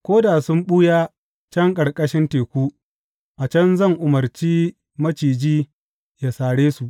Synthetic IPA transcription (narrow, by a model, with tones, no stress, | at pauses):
kʷoː˦daː˨sʊ˦mɓʊ˦jaː˦ | t͡ʃɐ˦ŋkʼɐ˨ɽkʼɐ˦ʃɪ˦nteː˨kʷuː˦ | ʔa˨t͡ʃɐ˦nzɐ˦˨ŋʔʊ˨mɐ˨rt͡ʃiː˦ | mɐ˦t͡ʃiː˨d͡ʒiː˦ | ja˨saː˨ɽeː˦su˨ʔ